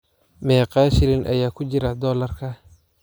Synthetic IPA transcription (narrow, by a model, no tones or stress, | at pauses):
mɛːqɑːʃɪlɪnʔɐ̰jaːkʰʊt͡ʃɪɾɐd̪ɔːlɐrkʰɐ